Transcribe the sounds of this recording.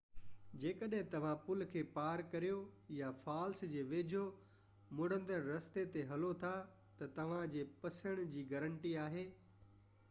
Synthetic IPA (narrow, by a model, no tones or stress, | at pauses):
d͡ʑeːkəɗɦɪ̃t̪ɐʋ̤ãpʊlkʰeːpaːɾkɐɾijojafaːlsd͡ʑeːʋeːd͡ʑʱo | mʊɽ̤ə̃nd̪əɾɾɐst̪et̪eɦɐlot̪ʰa | t̪ɐt̪ɐʋ̤ãd͡ʑeːpɐsəɽ̃d͡ʑiːɡɐɾəɳʈiaːɦeː